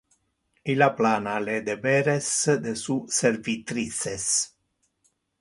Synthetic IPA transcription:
ilaplanaled̪eveɾesd̪esuservit̪ɾises

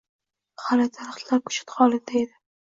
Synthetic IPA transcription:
halɪt̪ʰaɾχt̪laɾ̚kʰʊ̥t͡ʃʰɪ̥t̪χɒlˠɪd̪ajed̪ɪ

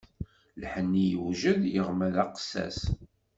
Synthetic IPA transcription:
lħənːijəwʒəðjəʁmæðɑqsːæ̰s

